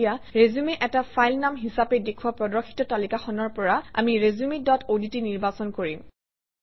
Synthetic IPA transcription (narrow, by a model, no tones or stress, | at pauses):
jaɹezumeʔɛtapʰajlnamɦisapɛdekʰuwapɹɔdɔkʰxʰi̥tɔtalikaxɔnɔɹpɔɹaa̰miɹezumedɔtʰoditiniɹbasɔnkoɹim